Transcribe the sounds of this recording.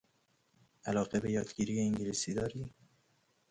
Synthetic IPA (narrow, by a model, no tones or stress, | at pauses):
ʔælɒːɣebe̞jɒːd̪ɟiːɾijeiŋɟeliːsiːd̪ɒːɾiː